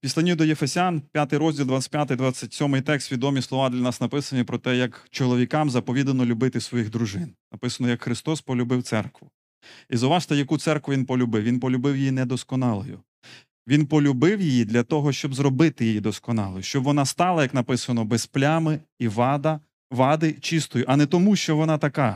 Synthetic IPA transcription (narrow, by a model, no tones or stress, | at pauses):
pʲisʲlʲˠɐnʲid̪ɔjefesʲanpʲjat̪ɪjɾɔzʲdʲilˠd̪ʋat͡sʲɐ̥tʲpjat̪ɪjd̪ʋat͡sʲːɐtʲsʲɔmɪjt̪ɛkst̪ʋʲid̪ɔmʲislˠɔʋɑd̪lʲɐnɑsnɐpɪsɐnʲipɾɔt̪ɛjɐkt͡ʃɔlˠɔʋʲikɑmzɐpɔʋʲid̪ɐnɔlʲʊbɪt̪ɪsʋɔjiɣd̪ɾuʒɪnnɐpɪsɐnɔjɐkxɾɪst̪ɔspɔlʲʊbɪwt̪sɛrkʋʊ | izɐwʋɑʃt̪ɛjɐkut̪sɛrkʋʊʋʲinpɔlʲʊbɪwʋʲinpɔlʲʊbɪwjɪjinɛd̪ɔskɔnɑlˠɔjʊ̰ | ʋʲinpɔlʲʊbɪwjɪjid̪lʲɐt̪ɔɦɔʃt͡ʃɔbzɾɔbɪt̪ɪjejid̪ɔskɔnɑlˠɔjʊʃt͡ʃɔbʋɔnɑst̪ɑlˠɐjɐknɐpɪsɐnɔbɛsplʲamɪiʋɑd̪ɐ | ʋɑd̪ɪt͡ʃist̪ɔjʊʔɐnɛt̪ɔmuʃt͡ʃɔʋɔnɑt̪ɐkɑ